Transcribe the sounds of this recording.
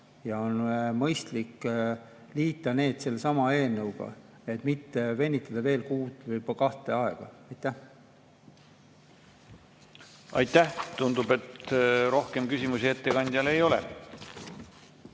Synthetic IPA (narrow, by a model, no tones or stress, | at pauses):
jɑo̞nmɤjst̪likː | liːt̪ˑːɑne̞ːd̪̥se̞lːsɑmɑe̞ːlnɤwɡ̥ɑ̰ | e̞t̪mit̪ːe̞ve̞nʲːit̪ːˑɑd̪̥ɑve̞ːlkuːt̪ːˑvɤjpkɑht̪ˑe̞ɑeɡ̥ɑ̰ɑjt̪ːˑæh | ɑ̰jt̪ːˑæht̪und̪ube̞t̪ɾo̞hke̞mkysʲimusie̞t̪ːe̞kɑnʲd̪̥ʲjɑle̞jo̞lḛ